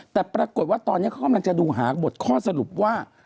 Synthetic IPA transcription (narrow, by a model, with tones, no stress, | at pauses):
t̪ɛː˨˩pɾaː˧ko˨˩t̪̚waː˥˩t̪ɔː˧nː˦˥kʰa˦˥˩ka˧˨mla˧ŋt͡ɕa˨˩duː˧ɦaː˩˦bo˨˩t̪̚kʰɔː˥˩sa˧ɾu˨˩p̚waː˥˩